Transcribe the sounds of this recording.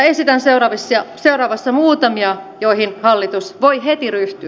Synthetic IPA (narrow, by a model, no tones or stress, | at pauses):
esit̪ænseurɑːʋisːɑseurɑːʋɑsːɑmuːt̪ɑmiɑjoihinhɑlːit̪usʋoihet̪iryht̪y